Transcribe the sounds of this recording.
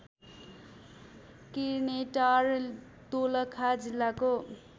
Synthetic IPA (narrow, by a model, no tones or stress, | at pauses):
kineʈar | t̪olʌkʰad͡zilːako